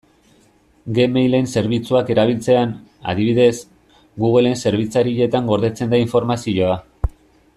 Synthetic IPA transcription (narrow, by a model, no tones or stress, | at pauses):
ɡe̞mejlense̞ɾβ̞it͡suake̞ɾaβ̞ilt͡se̞ana̰ðiβiðe̞s | ɡuɣe̞le̞nse̞ɾβ̞it͡saɾiʎe̞t̪aŋɡo̞ɾðe̞t͡se̞nd̪aiɱfo̞ɾmasio̞a